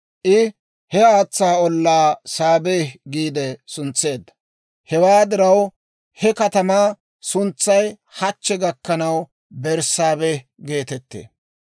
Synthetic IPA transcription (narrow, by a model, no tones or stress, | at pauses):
ʔɪ | hɛaːt͡sːaːɔlːaːsaːbeːhɡiːd̪ɛsʊnt͡sːe̞ːd̪ːɐ̥ | hɛwaːd̪ɪɾɐw | hɛkɐt̪ɐmaː | sʊnt͡sːɐj | hɐt͡ʃːɛɡɐkːɐnɐw | bɛɾsaːbeː | ɡe̞ːt̪ɛt̪ːḛː